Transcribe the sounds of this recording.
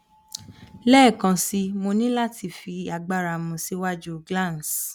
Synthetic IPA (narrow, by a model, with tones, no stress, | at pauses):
lɛː˦˨kã˨si˧mo˧nĩ˦la˦ti˧fi˧a˧ɡ͡ba˧ɾa˨mũ˨si˧˦wa˦d͡ʒu˦ɡlã˦˨ns